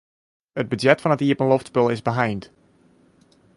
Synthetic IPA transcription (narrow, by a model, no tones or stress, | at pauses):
əd̚bədɛtfɑnətiəpənloftspəlˠɪzbəɦajnt